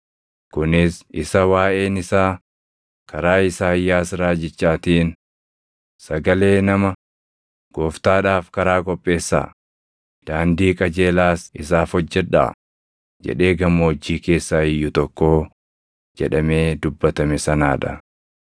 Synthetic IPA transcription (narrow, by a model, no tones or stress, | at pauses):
kʊnɪsɪsɐwaːʔe̞ːnɪsaː | kɐɾaːɪsaːjːaːsɾaːd͡ʒɪt͡ʃːaːt̪iːn | sɐɡɐle̞ːnɐmɐ | ɡ̥oːft̪aːᶑaːfkɐɾaːkʼɔpʼːe̞ːsːa̰ː | d̪̥aːnd̪iːkʼɐd͡ʒe̞ːlaːsɪsaːfɔd͡ʒːɛᶑa̰ː | d͡ʒɛ̰ᶑe̞ːɡɐmːɐɔd͡ʒːiːke̞ːsːaːɪjːʊt̪ɔkːo̞ː | d͡ʒɛ̰ᶑɐme̞ːd̪ʊbːɐt̪ɐmɛsɐnaːᶑɐ̰